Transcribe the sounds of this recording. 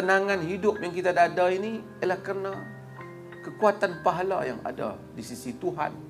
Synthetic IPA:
ənaŋanhidʊp̚jaŋkit̪aːdaadainijalahkərna | kəkuat̪anpaɦala̰ja̰ŋa̰da̰ | disisit̪uɦa̰n

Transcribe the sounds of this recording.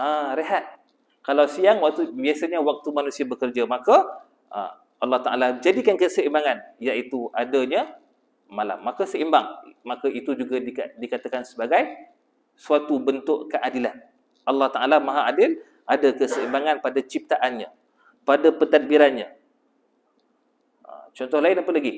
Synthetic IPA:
aɾeɦat̪̚ | kalawsiaŋwak̚t̪ubiasaɲawak̚t̪umanũsiabəkərd͡ʒamakə | a̰ | ɑlːɑht̪aʔa̰lad͡ʒadikankəsəimbaŋanjaʔit̪uʔadəɲə | mala̰mːakasəimbaŋmakaʔit̪ud͡ʒuɡadiadikat̪akansəbaɡaj | suat̪ubənt̪ʊʔkəʔadilan | ʔɑlːɑht̪aʔalamaɦaʔadɪl | ʔadakəsəimbaŋanpadat͡ʃip̚t̪aʔanɲa̰ | padapət̪at̪̚biɾanɲa | ə̰t͡ʃɔnt̪ɔhlaɪnapalaɡi

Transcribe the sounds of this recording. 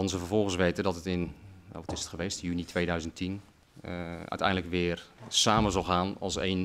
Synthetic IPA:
ɑnsəfərvɔlˠxənsʋejtədɔtətɪna̰ʋɔtɪsə̥tχəʋeːstjynitʰʋeːdœɥzəntʰin | œ̰ɥtɛ̰jndləkʋɪːərsaːməzɑlˠxaːnɑ̰lˠsḛjn

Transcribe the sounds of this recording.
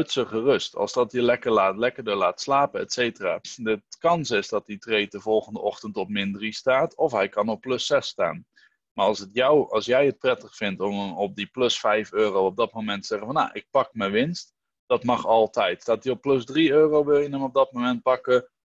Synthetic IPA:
ɵtsəχərɵstɑ̰lˠsdɑtjəlɛkəɹlaːtlɛkəɹdəlaːtslaːpəɛ̰tsejtəra̰ːdətkɑnsɪsdɑt̚ditrejtəvɔlˠχəndəʔɔχtəntɔp̚mɪndristaːtʰɔfɦɛjkɑnɔpːlɵsɛsta̰ːn | maːɹɑlˠsətjɔwɑlˠsjɛjət̚prɛtəχfɪntɔmɔp̚diplɵsfɛjføːrowɔb̚dɑt̚momɛntəz̥ɛχənvɑna̰ʔɪk̚pɑkməʋɪnst | d̥ɑtmɑχɑlˠtɛjtstaːt̚diɔpːlɵsdriøːrowʋɪlˠjənəmɔb̚dɑt̚momɛnt̚pɑkə

